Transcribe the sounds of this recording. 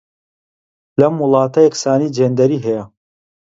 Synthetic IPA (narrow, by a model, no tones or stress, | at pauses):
lɐmːʊlˠɑːt̪ɐjɛksaːniːd͡ʒeːnd̪ɐɾiːɦɛjɐ